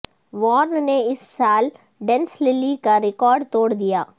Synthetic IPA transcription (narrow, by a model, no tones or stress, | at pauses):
ʋɔːɾnneɪsːaːl | ɖɛ̃nslɪlikaɾɪkɔːɾɖt̪oːɽd̪ijaː